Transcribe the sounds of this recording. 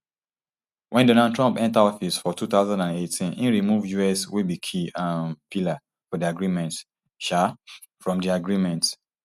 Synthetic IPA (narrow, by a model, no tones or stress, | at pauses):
wʔɛ̃ndɔ̃nad̚tʰɹɔ̃mpɛ̃ntadɔfisfɔtʰuθaʊzãndãnetʰĩnĩnɹimuvjuɛswibikʰiãnpʰila | fɔdiaɡɹimɛ̃nt | ʃa | fɹɔ̃mdiaɡɹimɛ̃nt